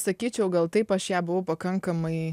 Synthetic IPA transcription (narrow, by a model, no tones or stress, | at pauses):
sɐkʲiːt͡ʃʲɛʊɡɐlˠt̪ɐɪpɐʃjæːbʊʋɐʊpɐkɐŋkɐmɐɪ